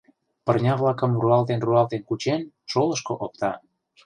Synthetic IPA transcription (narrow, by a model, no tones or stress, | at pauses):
pərnʲɑβlɑkə̆mruɑlt̪enruɑlt̪enkut͡ɕen | ʃolə̆ʃkoʔok̚t̪ɑ